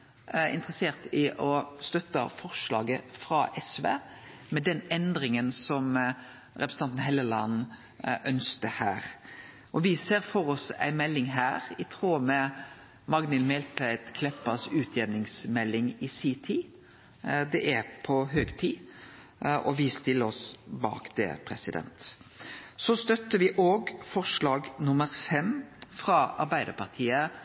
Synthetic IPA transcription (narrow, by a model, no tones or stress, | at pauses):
ɪ̰nt̪ʁəseːʁt̪ɪʔɔst̪œt̪ːə̰fɔʁʃlɑ̰ːɡəfɾɑʔɛsʋḛːmɛd̪ɛnɛnd̪ɾɪŋənsɔm | ɾɛpɾsəɑnt̪n̩ɦɛlːəlɑ̰n | ʔœnskəhæːʁ | ʔɔʋɪseːɾfɔɾɔsæ̰ɪmɛlːɪŋɦæːʁɪt̪ʰʁoːmɛ | mɑɡnɪlmɛlt̪ʰæɪt̪kʰlɛpːɑsʉːt̪ʰjɛnnɪŋsmɛlːɪŋɪsiːt̪ʰiː | d̪ɛʔæɾpʰɔɦøːɡt̪ʰiː | ʔɔʋɪst̪ɪlːəɔsbɑ̰ːkd̪̥ɛ̰pʰʁɛsɪd̪ɛ̰nt̪ | sɔst̪œt̪ːəʋɪʔoːɡfɔʂlɑːɡnʊməɾfɛmfʁɑɑ̰ɾbæɪd̪əpɑʁt̪ʰiːə